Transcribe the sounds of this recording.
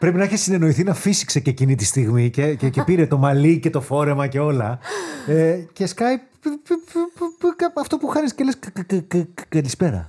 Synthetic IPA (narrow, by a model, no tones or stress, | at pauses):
pɾe̞pinɐiçesine̞no̞iθinɐfisi̥kse̞ce̞cinit̪ist̪iɣmicececepiɾet̪o̞mɐlice̞t̪o̞fo̞ɾe̞mɐce̞o̞lɐece̞skɐj | ɐɐft̪o̞puxɐnisceles | kɐlispe̞ɾɐ̰